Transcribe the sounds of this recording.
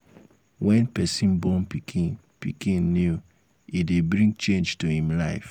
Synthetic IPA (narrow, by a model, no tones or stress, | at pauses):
wʔɛ̃npɛsĩnbɔ̃npikʰĩn | pḭkĩnːju | idebɾĩŋɡt͡ʃẽnd͡ʒtuhĩmlaɪf